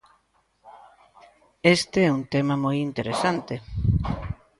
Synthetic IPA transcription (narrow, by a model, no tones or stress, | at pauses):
est̪eɛunt̪emɐmojint̪eɾesant̪e